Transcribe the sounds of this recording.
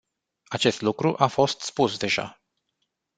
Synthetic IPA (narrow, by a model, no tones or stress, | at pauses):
at͡ʃe̞st̪lukɾuʔafo̞st̪spusd̪e̞ʒa̰